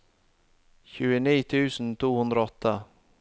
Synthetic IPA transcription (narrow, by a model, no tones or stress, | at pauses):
ɕʉ̟ːʊniːt̪ʰʉ̟ːsnt̪ʰuːhɵnd̪ɾaɔt̪ʰːa